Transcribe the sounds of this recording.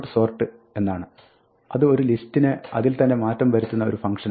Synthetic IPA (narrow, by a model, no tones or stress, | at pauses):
ʈɨso̞ːrʈːɨ | e̞nːaːɳɨ | ɐðɨo̞ɾulistːinɨɐ̰ðilt̪ɐnːe̞maːtːɐmʋɐɾit̪ːunːɐo̞̰ɾufɐŋkʂɐn